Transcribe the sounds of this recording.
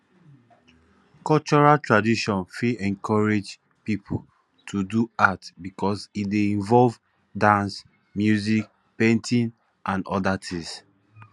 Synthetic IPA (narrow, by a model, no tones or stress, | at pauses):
kɔlt͡ʃɔɹaltɹadiʃɔ̃nfiʔɛ̃ŋkɔɹed͡ʒ | pipʰu | tʰuduatbikɔsideĩɱvɔlv | dãns | mjuzik̚ | pẽntʰĩn | ʔãnɔ̰datʰĩs